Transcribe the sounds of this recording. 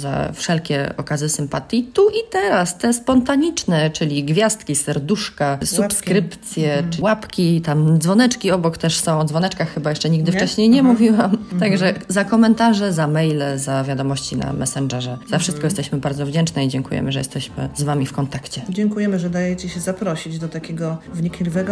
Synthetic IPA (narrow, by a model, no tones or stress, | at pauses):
za̰fʂɛlkʲɛɔ̰kazɘsɘmpat̪ʲjit̪uʔit̪ɛɾast̪ɛspɔnt̪aɲit͡ʂnɛt͡ʂɘlʲiɡvʲjast̪kʲisɛɾd̪uʂkasupskɾɘpt̪sʲjɛwapkʲit̪amd̪zvɔnɛt͡ʂkʲiɔbɔkt̪ɛʂsɔ̃w̃ɔd̪zvɔnɛt͡ʂkaxxɘbajɛʂt͡ʂɛɲiɡd̪ɘft͡ʂɛɕɲejɲɛmuvʲiwamt̪aɡʐɛzakɔmɛnt̪aʐɛzamɛjlɛzavʲjad̪ɔmɔɕt͡ɕina̰mʔɛ̰sɛnd͡ʐɛʐɛzafʂɘst̪kɔjɛst̪ɛɕmɘbaɾd̪zɔvd͡ʑɛnt͡ʂnɛid͡ʑɛŋkujɛ̰mɘʐɛ̰jɛ̰st̪ɛɕmɘ̰zvamʲifkɔnt̪akt͡ɕɛd͡ʑɛŋkujɛmɘʐɛd̪ajɛt͡ɕɛɕɛzapɾɔɕid͡ʑd̪ɔt̪akʲɛɡɔvɲikʲlʲivɛɡɔ